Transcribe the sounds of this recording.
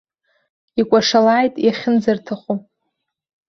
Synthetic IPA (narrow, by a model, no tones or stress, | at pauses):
ikʷʼaʂalaːjtʼjaχʲɪnzartʰaχu